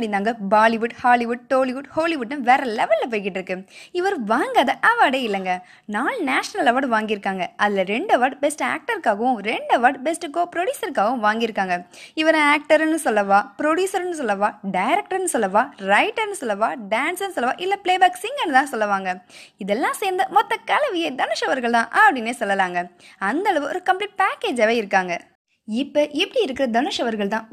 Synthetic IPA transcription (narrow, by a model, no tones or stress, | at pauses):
ɽɪnd̪aːŋɡɐbaːlɪʋʊɖhaːlɪʋʊɖ̚ʈoːlɪʋʊɖhoːlɪʋʊɖːɐʋeːɾɐlɛʋɛlːɐp̬oːjkɪʈːɪɾɯkːɯɪʋɐɾɯ̃ʋaːŋɡaːðɐʔɐʋaːɖeːɪlːɛŋɡɐ | naːlnaːʂɐnɐlɐʋaːɾɖʋaːŋɡɪɾɯkːaːŋɡɐʔɐðɪlɐɾɛɳɖɐʋaːɾɖbɛsʈa̰ːk̚ʈɐɾkaːɣɐʋʊ̃ɾɛɳɖɐʋaːɾɖbɛsʈɯɡoːpɾɔɽjuːsɐɾkaːɣɐʋʊ̃ʋaːŋɡɪɾɯkːaːŋɡɐɪʋɐɾɐ̃aːk̚ʈɐɾnːɯsɔlːɐʋãːpɪɾoɽjuːsɐɾnːɯs̬ɔlːɐʋãːɖɐɪɾɛk̚ʈɐɾnːɯsɔlːɐʋãːɾɐɪʈːɐɾnɯsɔlːɐʋãːɖaːnsɐnːɯsɔlːɐʋã̰ːʔɪlːɐpɭeːbaːksɪŋɡɛnːɯt̪ãːsɔlːɐʋaːŋɡɐɪðɛlːãːseːɾnd̪ɐmɔt̪ːɐkɐlɐʋɪjed̪ɐnɯʂɐʋɐɾɣɐɭt̪ãːʔɐpːɐɽɪnːeːsɔlːɐlaːŋɡɐɐnd̪ɐɐɭɐʋɯɔɾɯkɐmpliːʈ̚paːkeːd͡ʒɐːʋeːɪɾɯkːaːŋɡɐ | ɪpːɐʔɛpːɐɽiɪɾɯkːɪɾɐd̪ɐnɯʂɐʋɐɾɣɐɭt̪ãː